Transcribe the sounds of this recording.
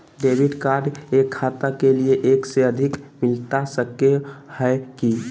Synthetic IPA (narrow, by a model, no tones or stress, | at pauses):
ɖebʱiɖkaɖekʰːat̪akelieʔekseəd̪ʱikmɪlt̪asəkehəeki